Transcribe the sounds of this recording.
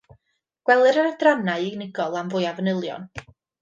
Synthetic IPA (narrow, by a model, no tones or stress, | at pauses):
ɡ̥wɛlˠɨɾənədranaɨiɡnɪɡɔlˠamvʊjavənɪlˠjɔ̰n